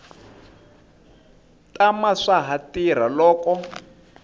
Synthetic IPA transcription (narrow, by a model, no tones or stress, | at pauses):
tamaʂaɦatiɾ̤alɔːkɔ